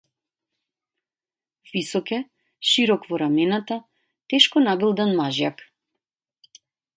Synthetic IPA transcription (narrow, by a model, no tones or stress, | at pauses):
visɔkɛ | ʃiɾɔkvɔɾamɛnat̪a | t̪ɛʃkɔnabilˠd̪anmaʒjak